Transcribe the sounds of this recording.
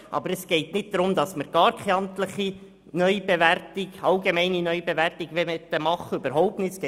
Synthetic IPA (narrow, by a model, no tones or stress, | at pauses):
ʔɑ̰bəɾɛsɡ̥ɛɪtnɪt̚d̥̪ɾʊmd̪ɑsməɾɡ̥ɑːɾkʰɛɑnt̪ləχi | nœʏb̥eʋærtɪɡɑlɡemɛɪninœʏbeʋærtɪɡʋɛmɛt̪ːəmɑχːəøbəɾɦɔʊp̚tnɪtskɛ